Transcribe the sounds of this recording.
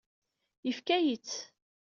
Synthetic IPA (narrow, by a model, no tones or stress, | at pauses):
jəfkæjit͡sː